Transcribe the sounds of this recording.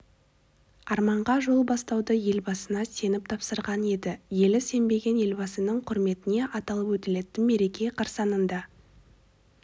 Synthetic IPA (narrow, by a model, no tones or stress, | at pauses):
ɑɾmɑɴʁɑʒo̞lˠbɑst̪ɑwd̪əje̞lbɑsənɑse̞nɪp̚t̪ʰɑpsəɾʁɑne̞d̪ɪje̞lɪse̞mbe̞ɡʲe̞nje̞lbɑsənəɴqʰʊɾme̞t̪ɪne̞ʔɑt̪ɑlˠəpwɵt̪ɪle̞t̪ːɪnme̞ɾe̞kʲe̞qʰɑɾsɑnənd̪ɑ